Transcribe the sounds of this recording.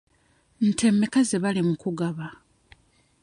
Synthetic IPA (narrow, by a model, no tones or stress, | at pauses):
n̩tʰe̞mekazeβalimukuɡaβa